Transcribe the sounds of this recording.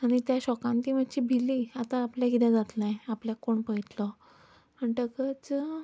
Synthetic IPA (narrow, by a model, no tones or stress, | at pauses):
aɽ̃it̪jaɕɔkãnt̪iːmət̪t͡ɕiːbʱiliat̪aːpljaɡid̪jãd͡zat̪lajapljakoɳpəit̪lɔ | əɳʈəkət͡s